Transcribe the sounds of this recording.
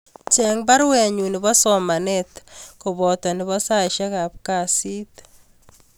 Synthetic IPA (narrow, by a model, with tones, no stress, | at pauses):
t͡ʃɛ˨ŋba˦ɾwɛ˨ɲu˨nɪ˨bɔ˦sɔ˨ma˨nɛt̪ko˨bɔ˨tɔ˨nɪ˨βɔ˦sa˦ʃa˦ka˨p̚ka˨si˦t